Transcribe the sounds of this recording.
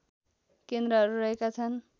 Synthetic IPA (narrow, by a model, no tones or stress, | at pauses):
kend̪rʌɦʌɾuɾʌɦekat͡sʰʌn